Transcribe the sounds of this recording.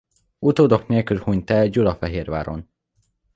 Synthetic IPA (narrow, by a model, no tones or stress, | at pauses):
ut̪oːd̪o̞kneːlkylhuɲt̪ɛlɟulɒfɛɦeːrvaːɾo̰n